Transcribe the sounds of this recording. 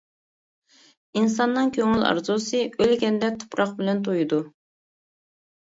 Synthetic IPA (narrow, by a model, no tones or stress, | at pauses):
ins̬ɑnːɨŋkʲʰøŋylɑ̰ɾzusɨølɡʲɛnd̪ɛt̪ʰu̥pɾɑq̚bɪlɛnt̪̬ʰojud̪u